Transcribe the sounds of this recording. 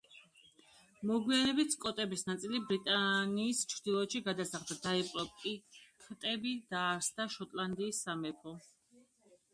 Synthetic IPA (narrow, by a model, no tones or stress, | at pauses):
mɔɡwianɛbit̪ʰkʼɔt̪ʼɛbisnat̪sʼilibɾit̪ʼaniːst͡ʃʰɾd̪ilˠɔʃiɡad̪asaχd̪ad̪aɛpʼlɔpkʼikʰt̪ʼɛbid̪̥aːɾsd̪aʃɔt̪ʼland̪iːsːamɛpʰɔ